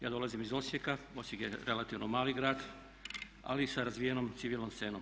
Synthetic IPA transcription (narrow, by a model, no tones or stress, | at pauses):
jaːd̪o̞lˠazimizo̞sje̞kao̞sjekjeɾe̞lat̪iʋnomaːliɡɾaːd̪ | a̰lisaɾazʋijenomt̪siʋilnomsse̞ːnom